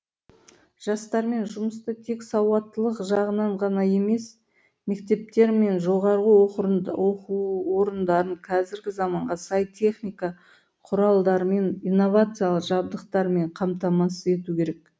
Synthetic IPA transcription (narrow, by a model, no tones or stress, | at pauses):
ʒ̥ɑst̪ɑɾme̞nʒʊməst̪ət̪ʰe̞ksɑwɑt̪ːəlˠəqʒɑʁənɑɴʁɑnɑje̞me̞s | me̞kt̪e̞p̚t̪e̞ɾme̞nʒo̞ʁɑɾʁəwoquwoɾənd̪ɑɾəɴqʰɑzɪɾɡʲɪzɑmɑɴʁɑsɑjt̪ʲʰe̞χnijkɑ | qʰʊɾɑlˠd̪ɑɾəme̞nijnːo̞vat̪sɨjalˠəqʒɑb̚d̪əqt̪ɑɾme̞ɴqʰɑmt̪ɑmɑsəe̞t̪ukʲʰe̞ɾe̞k